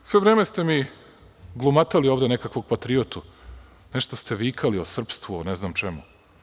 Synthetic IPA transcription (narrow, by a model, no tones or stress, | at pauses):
sʋe̞ʋɾeːmest̪emi | ɡlˠumat̪alio̞ːʋd̪e̞nekakʋo̞ɡ̚pat̪ɾiot̪u | neʃt̪ost̪e̞ʋiːkʰaliosr̩pst̪ʋuoneznamt͡ʃemu